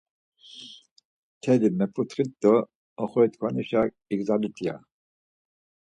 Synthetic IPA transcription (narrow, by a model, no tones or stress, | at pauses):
t̪ʰɛd̪imɛpʰʼut̪χit̪ːɔ | ɔχɔjt̪kʰʼwaniʃa | iɡzalit̪ʼja̰